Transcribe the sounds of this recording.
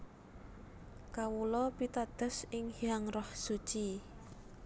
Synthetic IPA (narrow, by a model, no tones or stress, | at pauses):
kawulɔpit̪ad̪̥ə̤sɪŋhiaŋrɔhsut͡ʃi